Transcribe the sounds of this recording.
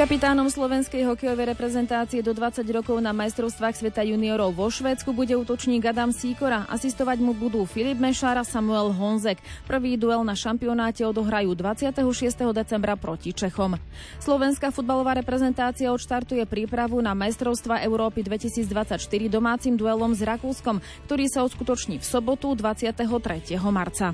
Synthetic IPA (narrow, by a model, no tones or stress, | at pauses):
kapit̪aːnɔmslɔʋɛnskɛjɦɔkɛjɔʋɛjɾɛpɾɛzɛnt̪aːt͡siɪɛd̪ɔd̪ʋat͡saɟɾɔkɔʊnamajst̪ɾɔʊst̪ʋaːxsʋɛt̪ajuniɔɾɔʊʋɔʃʋɛːt͡skubuɟɛuːt̪ɔt͡ʃɲiːɡad̪amsiːkɔɾaʔa̰sist̪ɔʋaɟmubud̪uːfilibmɛʃaːɾasamuɛlɦɔnzɛkpr̩ʋiːd̪uɛlnaʃampiɔnaːcɛɔd̪ɔɦɾajuːd̪ʋat͡sɪat̪ɛɦɔʃɪɛst̪ɛɦɔd̪ɛt͡sɛmbɾapɾɔcit͡ʃɛxɔm | slɔʋɛnskafud̪̚balɔʋaːɾɛpɾɛzɛnt̪aːt͡siɪaɔt̪ʃt̪aɾt̪ujɛpɾiːpɾaʋunamajst̪ɾɔʊst̪ʋaʔɛʊɾɔːpid̪ʋɛcisiːd͡zd̪ʋat͡sacʃt̪iɾid̪ɔmaːt͡simd̪uɛlɔmzɾakuːskɔm | kt̪ɔɾiːsaɔskut̪ɔt͡ʃɲiːfsɔbɔt̪ud̪ʋat͡sɪat̪ɛɦɔt̪ɾɛcɪɛɦɔmaɾt͡sa